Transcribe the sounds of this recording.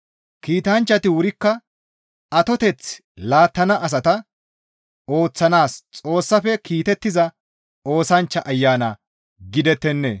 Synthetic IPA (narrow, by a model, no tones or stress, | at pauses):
kiːt̪ɐnt͡ʃːɐt̪ɪwʊɾɪkːɐ | ɐt̪ɔt̪ɛt͡s | laːt̪ːɐnɐʔɐs̬ɐt̪ɐ | o̞ːt͡sːɐnaːst͡sʼo̞ːsːɐfɛkiːt̪ɛt̪ːɪzɐ | o̞ːsɐnt͡ʃːɐʔɐjːaːnɐ | ɡɪd̪ɛt̪ːɛnːḛ